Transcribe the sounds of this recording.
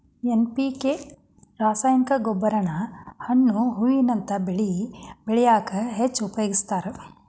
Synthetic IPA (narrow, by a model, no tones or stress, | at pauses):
enpike | ɾaːsaːjɐnikɐɡobːɐɾɐnɐhɐɳːuɦujinɐnt̪ɐbeɭibeɭijaːkɐɦet͡ʃːupɐjoɡist̪aːɾe